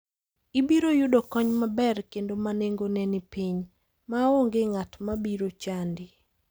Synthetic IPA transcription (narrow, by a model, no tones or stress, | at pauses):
ibiɾojʊdokɔɲmabɛrkendomaneŋɡonɛnipiɲ | maoŋɡeŋatmabiɾot͡ʃandɪ